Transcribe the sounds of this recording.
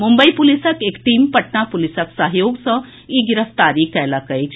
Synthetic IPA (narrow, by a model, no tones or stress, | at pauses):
mumbəipulisəkekʈiːmpɐʈnapulisəksəɦjoːɡsə | iɡiɾəst̪aɾiːkːɛjlakəjk